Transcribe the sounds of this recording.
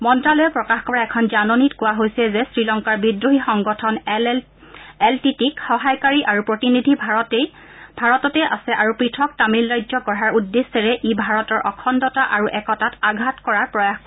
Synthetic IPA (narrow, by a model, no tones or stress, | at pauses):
mɔntɹalɔjɔpɹɔkaxkɔɹaɛkʰɔnd͡ʒanonitkʊwaɦojsɛzɛsɹilɔŋkaɹbidɹuɦixɔŋɡɔtʰɔn | ɛltitikxɔɦajkaɹiʔaɹupɹotinidʱibʱɔtej | bʱaɹɔtɔtɛʔa̰sɛʔaɹupɹitʰɔk̚tamilɹajzɔkɔɹaɹudːesːɛɹɛʔibʱaɹɔtɔɹʔɔkʰɔndɔtaʔaɹuʔɛkɔtataɡʱatkɔɹapɹɔjax